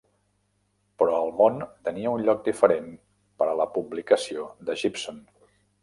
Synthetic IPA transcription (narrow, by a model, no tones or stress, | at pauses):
pɾɔəlˠmont̪əniəunʎɔk̚d̪ifəɾen | pəɾələpublikəsiod̪əʒipson